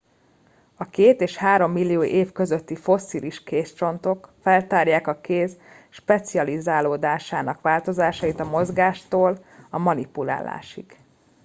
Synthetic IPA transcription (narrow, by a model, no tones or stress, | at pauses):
ɒkeːt̪eːʃhaːɾo̞mːilːijoːʔeːfkø̞zøt̪ːifo̞sːiliʃkeːst͡ʃo̞nt̪o̞kfɛlt̪aːrjaːkɒkeːz | ʃpɛt̪siɒlizaːloːd̪aːʃaːnɒkʋaːlt̪o̞zaːʃɒjit̪ɒmo̞zɡaːʃt̪oːlɒmɒnipula̰ːlːa̰ːʃḭɡ